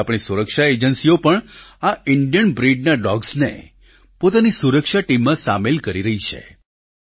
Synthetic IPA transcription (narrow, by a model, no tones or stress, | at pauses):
apɳ̃isuɾəkʃaed͡ʒənsiopəɳaɪɳɖijənbɾiɖnaɖɔɡsnḛ | pot̪anisuɾəkʃaʈimːãsamelkəɾiɾəɦit͡ʃʰḛ